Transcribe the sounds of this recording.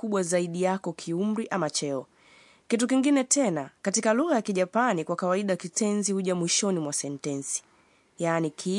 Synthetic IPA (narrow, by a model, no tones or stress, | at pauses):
kuɓwazaiɗijakɔkʰium̩ɾiʔamat͡ʃɛɔ | kitukiŋɡinɛtʰɛnakatikaluɣajakiʄapanikwakawaiɗakitɛnzihuʄamwiʃɔnimwasɛntɛnsi̥ | janikʰi